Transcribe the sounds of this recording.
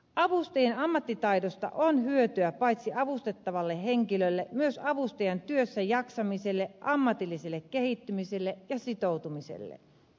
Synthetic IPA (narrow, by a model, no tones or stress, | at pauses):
ʔɑʋust̪ejenɑmːɑt̪ːit̪ɑidost̪ɑ̰ʔonɦyøt̪yæpɑit̪siɑʋust̪et̪ːɑʋɑlːeɦeŋkilølːemyøsɑʋust̪ɑjɑnt̪yøsːæjɑksɑmiselːeʔɑmːɑt̪ilːiselːekːehit̪ːymiselːejɑsit̪owt̪umisḛlːḛ